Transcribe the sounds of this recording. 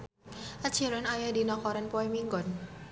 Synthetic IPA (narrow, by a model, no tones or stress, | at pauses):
ʔat͡ʃʰiɾənajadinɔkɔɾɛnpɔimiŋɡɔn